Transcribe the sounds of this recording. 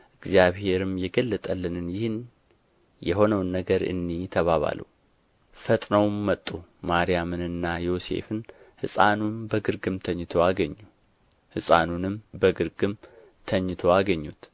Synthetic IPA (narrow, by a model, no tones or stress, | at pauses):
ʔɨɡzjaβhe̞ɾɨmjɛɡəlːət̪ʼəlːɨnɨnjɪhɨn | jɛɦo̞nəwnːəɡəɾɨ̰nːit̪ʰəβaβa̰lṵw | fət̪ʼnəwmːət̪ʼːumaɾijamɨnɨnːajo̞se̞̰fɨn | hɨsʼanunbəɡɨɾɡɨmt̪ʰəɲːt̪ʰo̞aɡəɲːu | hɨsʼanunɨmbəɡɨɾɡɨm | t̪ʰəɲːɨt̪ʰoaɡəɲːut̪